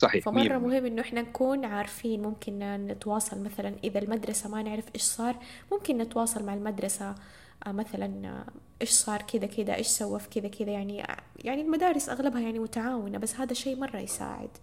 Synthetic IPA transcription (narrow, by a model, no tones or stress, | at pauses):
sˤɑħiːfammɑrˤːɑmʊhɪmːʔɪnːʊʔɪħnanakuːnʕaːɾˤfiːnmʊmkɪnnɪt̪wɑːsˤɑlmaθalanʔɪðalmad̪ɾˤɑsamanɪʕɾɪfʔeːʃsˤɑːɾˤmʊmkɪnːɪt̪wɑːsˤɑlmaʕalmad̪ɾˤɑsa | maθalanʔeːʃsˤɑːɾˤkɪd̪akɪd̪a̰ʔeːʃsawːafkɪd̪akʰɪd̪ajaʕnijaʕnilmad̪aːɾɪsʔa̰ɣlabhajaʕnimʊt̪aʕaːwɪnabasːhaːd̪aʃeːmɑrˤːɑ̰jsa̰ːʕɪ̰d̪